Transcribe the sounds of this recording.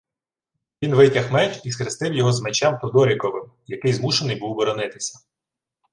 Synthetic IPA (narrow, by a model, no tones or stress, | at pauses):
ʋʲinʋɪtʲɐxmɛt͡ʃiskɾɪst̪ɪwjɔɦɔzmet͡ʃɛmt̪ɔd̪ɔɾʲikɔʋɪmjɐkɪjzmuʃenɪjbuwbɔɾɔnɪt̪ɪ̥sʲɐ̥